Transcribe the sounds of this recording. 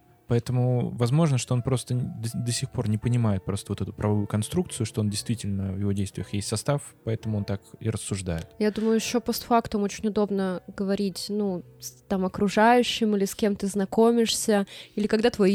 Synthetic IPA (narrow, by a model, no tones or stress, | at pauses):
pɐɛt̪əmʊvɐzmo̞ʐnəʂt̪o̞o̞npɾo̞st̪əd̪əd̪əsʲixpo̞rnʲɪpənʲɪmajɪt̪̚pɾo̞st̪əvo̞t̪ɛt̪ʊpɾʔɐvɐvujʊkɐnst̪ɾukt̪sɨjʊʂt̪o̞odʲɪjst̪vʲitʲɪlʲnəvjɪvo̞dʲejst̪vʲɪjəxjesʲtʲsɐst̪af | pɐɛt̪əmʊo̞nt̪akḭɾəsːʊʐd̪a̰jɪt̪jad̪uməjʊjɪɕːopost̪fakt̪əmo̞t͡ɕɪnʲʊd̪o̞bnəɡəvɐɾʲitʲnu | st̪amɐkɾʊʐajʉɕːɪmilʲɪskʲe̞mt̪ɨznɐko̞mʲɪʂsʲəilʲɪkɐɡd̪at̪voj